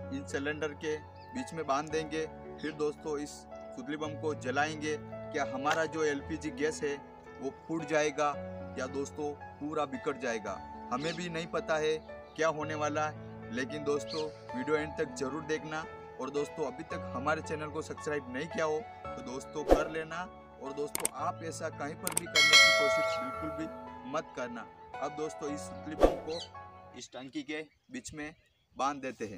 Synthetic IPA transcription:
ɪ̃nsɛlə̃ɳɖəɾke | biːt͡ʃmẽbãːnd̪ːẽːŋɡe | pʰɪɾd̪oːst̪õɪs | sʊt̪libəmkod͡ʒɐlaːẽːŋɡekjaːɦɐmaːɾad͡ʒoːɛlpid͡ʒiɡɛːsɦɛ | ʋopʰuːɽd͡ʒaːeːɡajad̪oːst̪õpuːɾabɪkəʈ̚d͡ʒaːeːɡa̰ːhɐmẽbʱinɐɦĩpɐt̪aɦɛkjaːɦoːneʋaːlaɦɛ | leːkɪnd̪oːst̪õ | ʋiːɖijoɛːɳɖ̚t̪ɐkd͡ʒɐɾuːɾd̪eːkʰna | ɔːɾd̪oːst̪õɐbʱit̪ɐkhɐmaːɾet͡ʃɛːnəlkosɐbskɾaːɪbnɐɦĩkijaɦo | t̪od̪oːst̪õkɐɾleːna | ɔːɾd̪oːst̪õʔaːpɛːsakɐɦĩpɐɾbʱikɐɾnẽd̪oːsbɪlkʊlbʱimɐt̪kɐɾna̰ɐb̚d̪oːst̪oɪsklɪpɾkoɪsʈɐ̃ŋkike | biːt͡ʃmẽ | bãːnd̪ːeːt̪eɦɛ̃ː

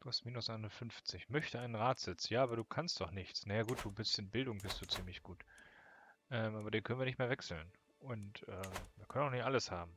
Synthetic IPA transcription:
d̥uːhast̚miːnʊsʔaɪnʊnfʏnft͡sɪçmœçtəaɪnənʁaːtz̥ɪt͡sjaːʔaːbɐɾuːkʰanstd̥ɔχnɪçt͡snajaːɡuːt̚d̥uːbɪstɪnbɪldʊŋbɪstd̥uːt͡siːmlɪçɡ̥uːt | ʔɛːmʔaːbɐdeːnkœnənviːɐnɪçtmeːɐvɛksl̩n | ʔʊntʔɛːmviːɐkʰœnənʊnɪçtʔaləshaːbm̩

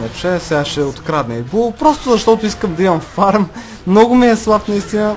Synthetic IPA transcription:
nɛt͡ʃɛsɛɡaʃɛot̪kɾad̪nɛibopɾɔst̪ʊzɐʃt̪ɔt̪ʊiskəmd̪ɐimɐmfaɾm | mnɔɡʊmiɛslˠapnɐist̪inə

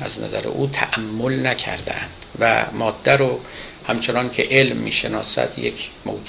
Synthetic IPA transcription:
ʔæznæ̰zæɾḛʔuːt̪ʰæʔæmːolnækʰæ̰ɾd̪æ̰ʔænd̪̥væ̰mɒːd̪ːæɾohæmt͡ʃʰenɒːnkʰe̞ʔelmːḭːʃe̞nɒːsæ̰d̪jekʰmowd͡ʒ

